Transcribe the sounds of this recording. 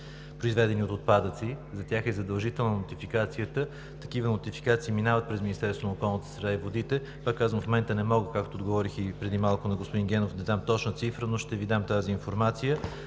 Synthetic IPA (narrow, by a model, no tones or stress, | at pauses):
pɾoizvɛd̪ɛniot̪ot̪̚pad̪ət̪sizɐt̪ʲjaxɛzɐd̪ɐlˠʒit̪ɛlˠnənot̪ifikat̪sijət̪ə | t̪ɐkivənot̪ifi̥kat̪siːminavət̪̚pɾɛzminist̪ɛɾst̪vonəokɔlˠnət̪ə̥sɾɛd̪aivod̪it̪ɛ | pakːazvəmfmomɛnt̪ənɛmɔɡəkakt̪oːd̪ɡovɔɾixipɾɛd̪imalˠkonɐɡospʊd̪inɡʲɛnofd̪ɐd̪amt̪ɔt͡ʃnət̪sifɾənoʃt̪ɛvid̪amt̪aziːnfoɾmat̪sijə